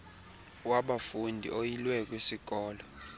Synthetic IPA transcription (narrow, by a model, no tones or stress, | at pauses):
waɓafundʱḭʔojilwɛk̬wesiɡ̥ʱɔːlɔ